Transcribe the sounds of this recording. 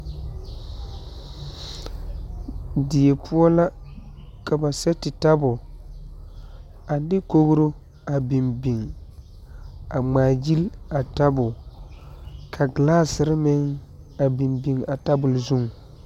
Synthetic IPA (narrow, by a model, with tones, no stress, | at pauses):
di˨e˨pʰʊ˦ɔ˦la˦ | ka˨ba˨sɛ˦tɪ˨ta˦bʊ˨ | a˨dɪ˦ko˦ɣɾo˦ | a˨bi˨mbi˨ŋ | a˨ŋ͡maː˨d͡ʒi˦la˨ta˦bʊ˨ | kʰa˨ɡlaː˦sɪ˨ɾɪ˦mɪ˦ŋ | a˨bi˨mbi˨ŋa˨ta˦bʊ˨lzu˦ŋ